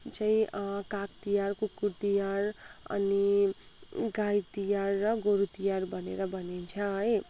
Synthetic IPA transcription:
t͡saĩkak̚t̪ijarkokut̪ijaɾʌ̰ni | ɡait̪ijarːʌɡoɾut̪ijaɾbʱʌnḛɾʌbʱʌnint͡sʰʌɦʌj

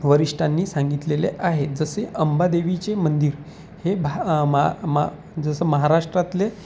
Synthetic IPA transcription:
ʋəɾiʂʈʰanːiːsãŋɡit̪lelḛʔaɦed͡zəseʔəmbad̪eʋit͡ɕemənd̪iːɾ | hebʱamm | d͡zəsəːməɦaɾaʂʈɾat̪le

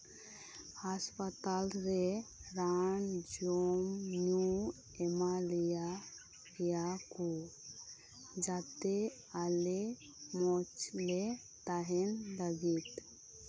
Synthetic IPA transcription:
haspət̪alɾeɾand͡ʒomnju | ɛmalija | kijaku | d͡ʒat̪e | ale | mɔt͡ʃle | t̪aɦɛnləɡit̪

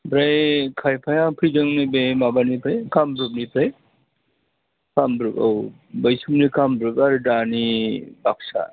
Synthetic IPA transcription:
bɾajkʰajpʰajapʰɯzɯŋnibemabanipʰɯjkambɾup̚nipʰɾaj | kambɾɯpa̰w | bəjsumnikʰambɾɯpaɾɯdanibak̚sa̰

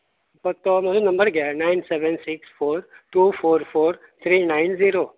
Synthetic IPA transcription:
pɐt̪omɐtunɐ̃mbəɾɡanaɪnseːʋɛnsiksfʰoːɾʈuːpʰoːɾpʰoːɾ | t̪ʰɾiːnaɪnziːɾoː

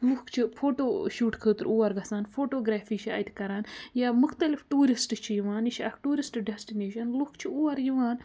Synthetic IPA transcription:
lukʰt͡ʃʰifʰoːʈoːʃuːʈkʰəːt̪ɨɾuːɐɾɡɐsaːnfʰoːʈoːɡɾaːfiːt͡ʃʰiɐ̰jt̪kɐɾaːnjaːmʊxt̪ɐlifʈuːɾisʈt͡ʃʰijuʋaːnit͡ʃʰɐkʈuːɾisʈɖɐsʈineːʃɐnlukt͡ʃʰiuːwɐɾjiʋaːn

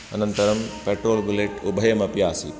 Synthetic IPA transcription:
ɐnɐnt̪ɐɾɐmpeːʈɾoːlbuleʈubʱɐjɐmɐpjaːsḭ

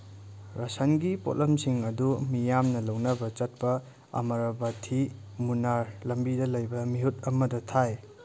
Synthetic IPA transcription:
ɾɐsɐnɡipo̰lɐmsiŋɐdumijamnɐlɐwnɐbɐt͡ʃɐt̚pɐ | ɐ̰mɐɾɐbatʰi | munaɾlɐmbidɐlɐjbɐmiɦut̚ɐmɐdɐtʰaj

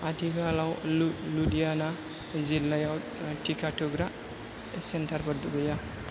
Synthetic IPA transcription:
atʰikalawludijana | zilːajaw | ʈʰikʰaʈʰuɡɾa | sentʰaɾpʰɔɾd̪uɡɔja

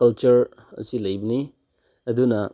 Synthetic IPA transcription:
kɐlt͡ʃuɾ | ɐ̰silɐjbɐni | ɐdunɐ

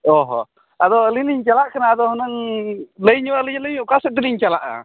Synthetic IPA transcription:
ɔɦɔ̰ | ad̪ɔəliniɲt͡ʃalaʔkanaːd̪ɔhɔnaŋləjɲɔwaʔliɲləjɲɔkasɛt̪̬ɛliɲt͡ʃalaʔa̰

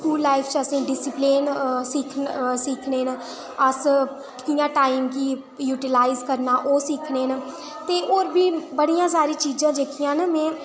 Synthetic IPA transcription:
sskuːlːaːipʰt͡ʃəsĩːɖɪsɪpleːnsiːkʰsiːkʰneːn | əs | kɪjãːʈaːiːmkiː | juːʈɪlaːɪzkəɾnaːʔoːsiːkʰneːn | t̪eːʔoːɾbiːbəɽijãːs̬aːɾiːt͡ʃiːd͡ʒãːd͡ʒekʰijãːnəmɛ̃ː

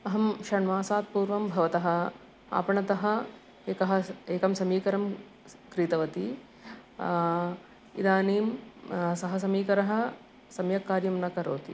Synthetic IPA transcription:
ɐɦɐmʃɐɳʋaːsaːt̪̚puːɾʋɐmbʱɐʋɐt̪ɐɦɐ̆ | a̰ːpɐɳɐt̪ɐɦɐ̆ | eːkɐɦɐ̆eːkɐmsɐmiːkɐɾɐm | kɾiːt̪ɐʋɐt̪i | id̪aːneːmsɐɦɐs̬ɐmiːkɐɾɐɦɐ̆ | sɐmjɐkːaːɾjɐmnɐkɐɾoːt̪ḭ

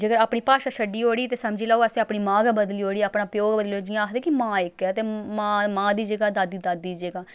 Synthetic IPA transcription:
d͡ʒəɡəɾaːpɳiːpaːʃaːsəɖːiːɦoːɽiːt̪eːsəmd͡ʒiːlaːoəsẽaːpɳiːmãːɡbəd̪liːoːɽiːaːpnaːpɪjoːɡbəd̪lioːd͡ʒɪãːkd̪eːkɪmãːɪkɛːt̪eːmaːmãːd̪iːd͡ʒəɡaːd̪aːd̪iːd̪aːd̪iːd͡ʒəɡaː

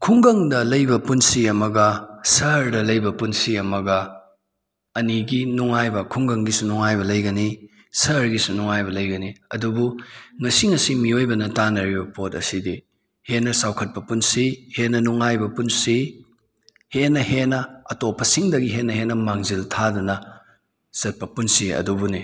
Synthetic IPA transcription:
kʰuŋɡɐŋdɐlɐjbɐpunsiɐmɐɡɐsɐɾdɐlɐjbɐpunsiɐmɐɡɐ | ɐniɡinuŋajbɐkʰuŋɡɐŋɡisunuŋajbɐlɐjɡɐni | sɐɾɡisunuŋajβɐlɐjɡɐniɐdubuŋɐsiŋɐsimiojbɐnɐtanɐɾibɐpotɐ̰sidi | henɐsawkʰɐt̚pɐpunsihenɐnuŋajbɐpunsi | henːɐhenɐɐtopʰːɐsiŋdɐɡiɦenːɐhenɐmaŋziltʰadunɐ | z̥ɐt̚pɐpunsiɐ̰dubuni

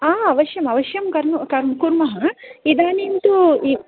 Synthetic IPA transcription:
aːɐʋɐʃjɐmɐʋɐʃjɐmkɐɾnukɐɾmkuɾmɐɦɐid̪aːnint̪ui

